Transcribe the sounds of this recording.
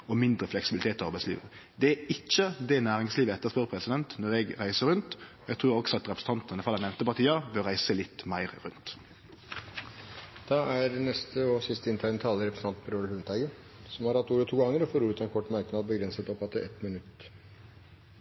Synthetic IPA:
ɔmɪnd̪ɾəflɛksɪbɪlɪt̪eːt̪ɔɑɾbæɪtslḭːʋə̰d̪ɛæɪt͡ʃːəd̪ɛnæːɾɪŋsliːʋəɛt̪ːəspøːɾəpʰɾɛsɪd̪ɛnt̪nɔɾɛɡɾæɪsəɾʉnt̪ɔæɡt̪ʰɾʉːɾɔksɔɑt̪ʁɛpɾəs̩n̩t̪ɑnt̪nəfʁɑlænɛʋmnt̪əpɑt̪ʰiːɑbøʁæɪsəlɪt̪ːmæɪɾɾʉnt̪ | d̪̥ɑːæɾnɛst̪əɔsɪst̪əɪnt̪ʰæɪnət̪ʰɑːləɾɛpɾəsn̩t̪ɑnt̪pʰəɾoːlhʉnt̪ʰæɪɡə | sɔmhɑɾhɑt̪ːuːɾət̪ʰuːɡɑŋːəɾɔfoːɾuːɾʉt̪ɑɛnkʰɔʈːmɑɾknɑːd̪̚bəɡɾɛnsət̪ɔfɑt̪ːəɛt̪mɪnʉt̪ː

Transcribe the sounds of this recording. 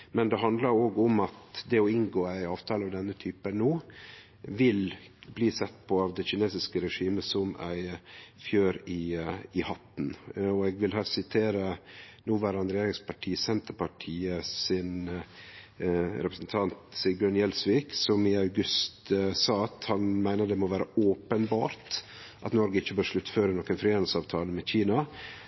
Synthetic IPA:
mɛnd̪ɛɦɑnd̪ləɾoːɡɔmɑt̪d̪ɛɔɪŋɡoːæɪɑːʋt̪ʰɑːlɑʋd̪ɛnːət̪ʰyːpənuː | ʋɪlbliːsɛt̪ːpʰɔɑːʋd̪ɛçɪneːsɪskəɾɛʂiːməsɔmæ̰ɪfjøːɾɪɪhɑt̪nɔɛɡʋɪlɦɑsɪt̪ʰeːɾə | nuːʋæːɾɑnɾɛjeːɾɪŋspʰɑʈʰiːsɛnt̪əɾpɑʈʰiːəsɪn | ɾɛpɾəsnt̪ʰɑnt̪sɪɡʉnjɛlsʋiːksɔmɪɑʉɡʉst̪sɑːɑt̪hɑnmæɪnəd̪ɛmɔʋæːɾə̰oːpənbɑːɾt̪ | ʔɑ̰t̪nɔɾɡəɪçːəbøːɾʂɭʉt̪ːføːɾənɔːkːənfɾɪeːnlsɑːʋt̪ʰɑːləmɛçiːnɑ

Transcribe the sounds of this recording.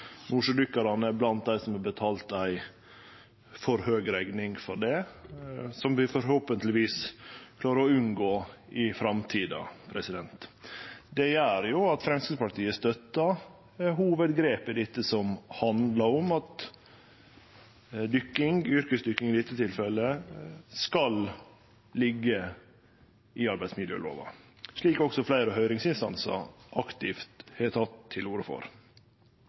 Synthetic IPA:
nuːʂəd̪ʏkːɑɾɑnəɛblɑnt̪̚d̪æɪsɔmhɑbət̪ʰɑːlt̪æɪ | fɔɾhøːɡɾæɡnɪŋfɔɾɖɛ | sɔmʋɪfɔɾhoːpənt̪lɪʋiːskʰlɑːɾəɾɔʉnɡoːɪfɾɑmt̪ʰiːd̪ɑ̰pʰɾɛsɪd̪ɛnt̪d̪ɛjæːɾjʊɑt̪fɾɛmskəspɑʈ̪ʰiːəst̪œt̪ːɑ | ɦuːʋəd̪ɡɾeːpɪd̪ɪt̪ːəsɔmhɑnd̪lɑɾɔmɑt̪ | d̪ʏkːɪŋʏɾkəsd̪ʏkːɪŋɪd̪ɪt̪ːət̪ʰɪlfɛlːəskɑl | lɪɡːə | ʔɪɑɾbæɪd̪smɪd̪ə̰ːlo̰ːʋɑ̰ | ʂɭiːkɔksɔflæɪɾəɦœʏɾɪŋsɪnst̪ɑ̰nsɑ̰ɾʔɑkt̪ɪft̪hɛt̪ʰɑt̪ʰːɪluːɾəfɔ̰ɾ

